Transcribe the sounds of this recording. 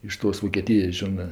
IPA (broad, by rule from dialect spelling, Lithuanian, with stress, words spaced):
ɪʃ ˈtoːs ʋoːkʲeːˈtʲɪjɛs ˈʒʲoːnɜ